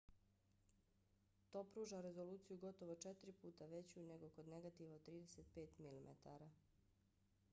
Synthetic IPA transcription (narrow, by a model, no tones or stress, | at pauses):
t̪o̞ːpɾuːʒaɾe̞zo̞luːt̪sijuɡo̞t̪o̞ʋo̞t͡ʃet̪ɾipuːt̪aʋe̞t͡ɕune̞ɡo̞ko̞d̪neɡat̪iʋaot̪ːɾiːd̪eset̪̚pe̞ːt̪milimʔḛt̪a̰ɾa